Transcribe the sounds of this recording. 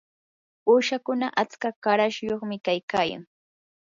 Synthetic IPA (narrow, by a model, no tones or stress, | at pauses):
uːʃakʊnaʔat͡skakaɾaʃjoχmɪkajkaːja̰ŋ